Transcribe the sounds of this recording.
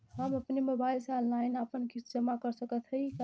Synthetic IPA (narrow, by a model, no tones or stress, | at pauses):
ɦəməpnemobailseɔlnlainapənkid͡ʒəmakəɾsəkət̪ʰɦəjk